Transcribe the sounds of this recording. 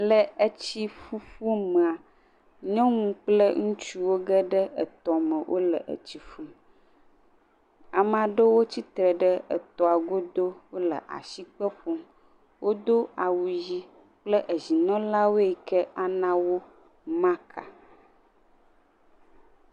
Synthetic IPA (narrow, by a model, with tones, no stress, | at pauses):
lə˨ə˦t͡ɕi˦fu˦fu˦mə̃˨a˨ | ɲɔ̃˦ŋũ˦k͡plə˦ŋũ˦t͡ʃu˦wo˦ɡə˦ɖə˦ʔə˨t̪ɔ˨mə̃˨wʔo̰˦lə̰˨ʔə̰˨t͡ɕi˦fu˦m | a˨m˨a˨ɖə˦wo˦t͡ɕi˦t̪ɾə˨ɖə˦ə̰˨t̪ɔ˨a˨ɡo˦d̪o˦wo˦lə̰˨ʔa̰˨ʃi˦k͡pə˦ɸo˦m | wʔo˦d̪o˦a˨wu˨ji˦ | k͡plə˦ʔə˨zi˨nɔ̃˦la˦wo˦e˨kə˦a˨nã˦wo˦ | mã˦kʰa̰˨